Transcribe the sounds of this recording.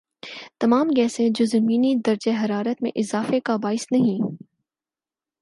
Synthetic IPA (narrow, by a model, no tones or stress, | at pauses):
t̪ɐmaːmɡɛːsẽd͡ʒoːzɐmiːnid̪ɐɾd͡ʒeɦɐɾaːɾət̪mḛ̃ʔɪzaːfekabaːɪsnɐɦĩ